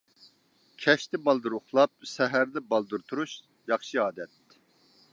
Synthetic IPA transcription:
kʲʰɛʃt̪ɪbɑlˠd̪uɾʊχlˠɑp̚sɛɦæɾd̪ɛbɑlˠd̪uɾt̪ʰuɾuʃ | jɑχʃɨɑːd̪ɛt̪

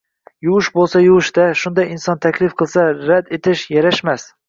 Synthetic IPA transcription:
jʊwɪʃbolˠsajʊwɨʃt̪aʃʊnd̪ajɪnsɒnt̪ʰakʲʰlɪfqʰɨlˠsaɾad̪et̪ʰɪʃjaɾaʃmas

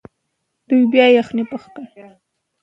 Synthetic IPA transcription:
d̪̥ujbjɑjaxnipəxkə

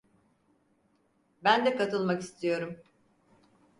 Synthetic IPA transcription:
bænd̪ɛkat̪ʰɯlˠmakist̪ʰijo̞ɾum

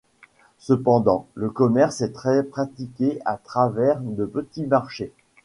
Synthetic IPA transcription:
səpɑ̃d̪ɑ̃ləkɔmɛʁsɛt̪χɛpχat̪ikʲeat̪χavɛʁd̪əpət̪imaʁʃe

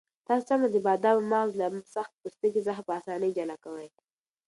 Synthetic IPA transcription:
t̪ɑsamad̪əbɑd̪ɑwmɑzlasaxt̪̚pust̪əɡizaxapəɑsɑnəjd͡ʒalakawaj

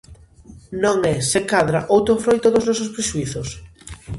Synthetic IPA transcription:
nõŋɛsekaðɾaʔowt̪ɾofɾojt̪oðʊznɔsospɾeʃuiθos

